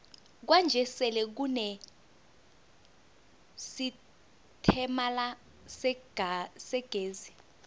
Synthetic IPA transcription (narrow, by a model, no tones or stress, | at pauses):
k̬wand͡ʒʱɛsɛlɛk̬unɛ | si | tʰɛmala | sɛ | sɛɡ̥ʱeːzi